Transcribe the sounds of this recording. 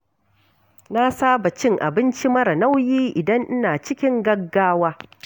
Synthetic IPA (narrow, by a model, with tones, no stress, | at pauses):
na˦saː˦ba˨t͡ʃɪ˦ŋʔa̰˨bɪ˦nt͡ʃi˦mɐ˦ɾa˨na˦wjiː˦ʔɪ˨dɐ˦ŋʔɪ˦naː˨t͡ʃɪ˦kʲɪ˦ŋɡɐ˦ɡːaː˦waː˦